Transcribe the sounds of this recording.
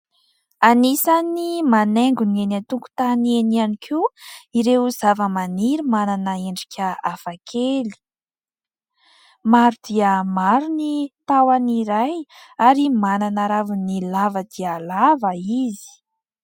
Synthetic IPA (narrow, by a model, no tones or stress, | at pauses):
anisanimaneŋɡunienat̪uŋku̥t̪anienianikʰuiɾewzavəmaniɾimananəeɳɖ͡ʐikʲʰəafakʰeli̥ | maɾud̪̥iəmaɾunit̪awaniɾajaɾimananaɾavunilavəd̪̥iəlavəizi̥